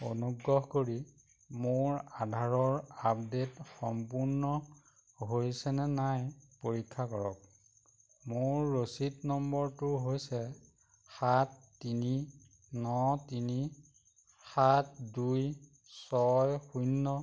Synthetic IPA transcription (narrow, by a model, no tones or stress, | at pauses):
onuɡɹɔɦkoɹi | moɹadʱaɹɔɹap̚detxɔmpuɹnɔ | ɦojsɛnɛnajpoɹikʰːakɔɹɔk | moɹːositnɔmbɔɹtʊɦojsɛ | xatːini | nɔtini | xatduj | sɔjxujnːɔ